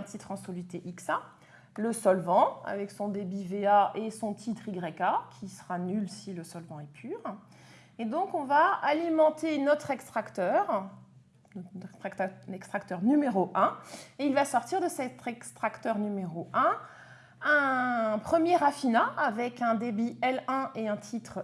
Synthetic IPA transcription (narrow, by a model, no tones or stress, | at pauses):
ɛ̃t̪it̪χɑ̃sɔlit̪eʔiksa | ləsɔlvɑ̃a̰vɛksɔ̃d̪ebiveaʔesɔ̃t̪ʰit̪χiɡʁɛkakʲʰisə̥ʁanylsiləsɔlvɑ̃ɛpʰyːʁ | ed̪ɔ̃kɔ̃vaalimɑ̃t̪enɔt̪χɛkst̪χakt̪œːʁ | nt̪χɛkst̪χakt̪œʁnymeʁoʔɛ̃eilvasɔʁt̪iʁd̪əsɛt̪ɛkst̪χakt̪œʁnymeʁoɛ̃ | ɛ̃pχəmjeʁafinaavɛkɛ̃d̪ebiɛlɛ̃ʔeɛ̃t̪ʰit̪χ